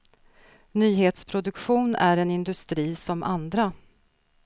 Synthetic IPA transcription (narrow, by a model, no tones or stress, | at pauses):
nyːɦeːt̪spʰɾʊd̪ɵkɧuːnæɾɛnɪnd̪ɵst̪ɾiːsɔmʔa̰nd̪ɾa